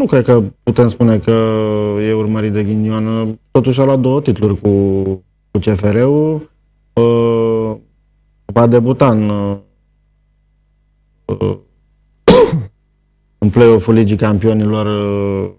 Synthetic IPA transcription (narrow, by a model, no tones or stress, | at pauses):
nukɾe̞d̪̚kəput̪e̞mspune̞kəje̞urməɾit̪̚d̪e̞ɡʲiniont̪o̞t̪uʃ̬ʲaluat̪̚d̪o̞wət̪it̪ulurʲku | kut͡ʃe̞fe̞ɾe̞u | ə | vad̪e̞but̪an | ɨnplejo̞fulid͡ʒikampio̞nilo̞r